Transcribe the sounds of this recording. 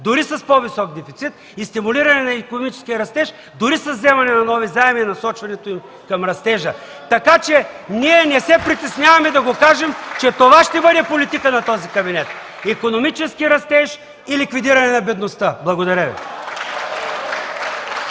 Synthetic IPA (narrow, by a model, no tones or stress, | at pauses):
d̪ʊɾisɐspɔvisɔk̚d̪ɛfit̪sit̪̚ | ist̪imuliɾɐnɛnɐikonomit͡ʃɛ̥skʲiəɾɐst̪ɛʃ | d̪ʊɾisɐzːɛmɐnɛnɐnɔvizaɛminɐsɔt͡ʃvɐnɛt̪oim | kɐmɾɐst̪ɛʒə | t̪ɐkat͡ʃɛniɛnɛsɛpɾit̪ɛsnʲjavɐmɛd̪ɐɡokaʒɛmt͡ʃɛt̪ovaʃt̪ɛbɤd̪ɛpolit̪ikənɐt̪ɔzikɐbinɛt̪̚ | ikonomit͡ʃɛskiɾɐst̪ɛʃ | ilikvid̪iɾɐnɛnɐbɛd̪nost̪əblˠɐɡod̪ɐɾʲəvḭ